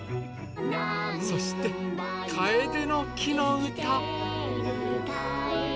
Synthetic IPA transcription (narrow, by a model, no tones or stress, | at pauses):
so̞ɕi̥t̪e̞kʰaed̪eno̞kʲʰino̞ɯ̟t̪a